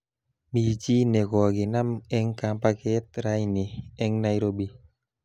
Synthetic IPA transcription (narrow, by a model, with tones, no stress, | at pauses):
mi˨t͡ʃi˦nɛ˨kɔ˨ɡɪ˨na˦mɛ˦ŋka˨mpa˦kɛ˦t̪̚ɾa˦inɪ˨ɛ˦ŋna˦jɾo˦bi˦